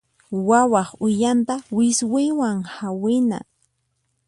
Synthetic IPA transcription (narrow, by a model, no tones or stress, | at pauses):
wawɑχʊjant̪awɪswɪjwaŋhawɪna̰